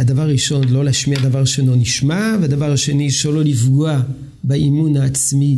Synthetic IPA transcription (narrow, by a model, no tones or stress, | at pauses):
ad̪avaʁaʁiʃo̞nlo̞leaʃmiad̪avaʁʃenoniʃmavead̪avaʁaʃe̞niʃololifɡoa | baimunhaːt͡smi